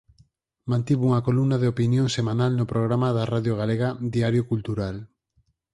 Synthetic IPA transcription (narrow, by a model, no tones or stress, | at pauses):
mãnt̪iβuŋakolumnaðeopinjõŋsemãnalnopɾoɣ̞ɾamaðaraðjoɣ̞aleɣad̪iaɾjokult̪uɾal